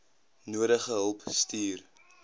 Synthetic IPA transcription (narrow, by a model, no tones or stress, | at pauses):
nuəɾəχəɦəlˠpstiːr